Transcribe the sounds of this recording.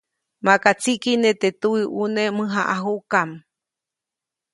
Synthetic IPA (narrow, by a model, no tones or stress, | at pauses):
makat͡sikinet̪et̪uiʔunemɨ̃ɦaʔaɦukam